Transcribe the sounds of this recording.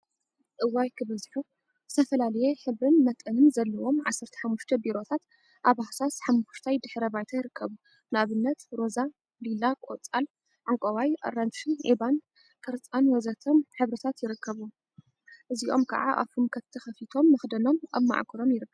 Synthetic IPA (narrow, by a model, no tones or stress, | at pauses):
ʔɨwːajkʰɨβɐzħu | zɨ̥t̪ʰɐfɐlalɐjeħɨβɾɨnmɐt̪ʼɨnɨnzɐlːɐwo̞mʕa̰sːɐɾt̪ʰɐ̥ħamːuʃt̪ʰɐbiɾo̞t̪ʰat̪ | ʔaβahsasħamːʃt̪ʰajd̪ɨħɾɐbajt̪ʰajɪɾɨkʰːɐβu | nɨaβɨnːɐt̪ɾo̞za | lilakʼot͡sʼal | ʕaŋkʼɐwajʔɐ̰ɾanʃiʕiban | kʰɐɾt͡sʼanwɔzɐt̪ʰomħɨβɾɨt̪ʰat̪jɪɾɨkʰːɐβu | ʔɨziʔo̞mkʰɐ̰ʕa̰ʔa̰βʰumkʰɐt̪ʰːɨxɐfit̪ʰo̞mːɐxd̪ɐno̞mʔa̰βma̰ʕkʰuɾo̞mjɪɾɨkʰːɐβu